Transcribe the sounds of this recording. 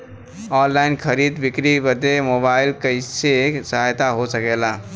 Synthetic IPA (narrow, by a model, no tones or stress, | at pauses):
ɔnlainkʰəɾid̪bikɾibəd̪emobailkəɪsesəɦajt̪aɦosəkela